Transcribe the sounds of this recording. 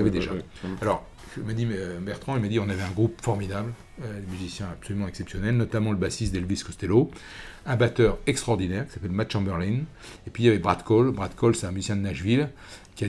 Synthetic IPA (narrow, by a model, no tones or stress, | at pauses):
avɛd̪eʒa̰ | alɔʁ | mad̪ibɛʁt̪χɑ̃ilmad̪iɔ̃navɛɛ̃ɡʁupfɔʁmid̪abl | d̪emyzisjɛ̃apsɔlymɑ̃ɛksɛpsjɔnɛlnɔt̪amɑ̃ləbasist̪d̪ɛlviskɔst̪elo | ɛ̃bat̪œʁɛkst̪χɔʁd̪inɛʁkʲi̥sapɛlmat̪ʃɑ̃bɛʁlin | epɥiljavɛbʁat̪kɔlbʁad̪kɔlsɛ̥t̪ɛ̃myzisjɛ̃d̪ənaʒvil | kʲia